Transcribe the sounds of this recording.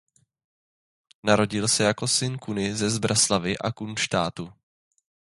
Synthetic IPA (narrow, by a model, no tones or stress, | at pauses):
naɾo̞ɟɪlsɛjako̞sɪnkunɪzɛzbɾʔaslavɪʔa̰kunʃt̪aːt̪u